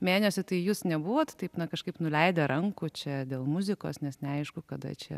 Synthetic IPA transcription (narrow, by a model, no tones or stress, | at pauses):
mʲeːnʲɛsʲʊt̪ɐɪjuːsnʲɛbʊʋoːt̪t̪ɐɪpnɐkɐʃkɐɪpnʊlʲɛɪd̪ʲɐɾʔɐŋkʊt͡ʃʲɛd̪ʲeːlˠmʊzʲɪko̰ːsnʲɛsnʲɛɐɪʃkʊkɐd̪ɐ̰t͡ʃʲɛ̰